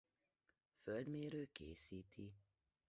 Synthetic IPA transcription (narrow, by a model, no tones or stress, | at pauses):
føld̪meːɾøːkḛːsiːt̪ʰi